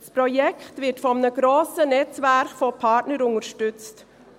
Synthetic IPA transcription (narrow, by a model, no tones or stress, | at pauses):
spʰɾʊjɛkt̪ʋɪʈfɔmnəɡɾoːsənɛt̪ʋæɾkfɔpʰɑːʈnəɾʊŋəɾʃʈʉt̪st̪